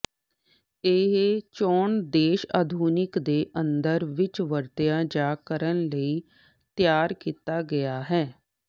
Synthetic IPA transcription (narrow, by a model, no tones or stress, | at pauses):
eɦt͡ʃɔːɳd̪eːʃa̰ːd̪ʱuːnɪkd̪eːʔənd̪əɾʋɪt͡ʃʋəɾt̪ejãːd͡ʒaːkəɾənləiː | t̪jaːɾkiːt̪aːɡəjaːɦɛː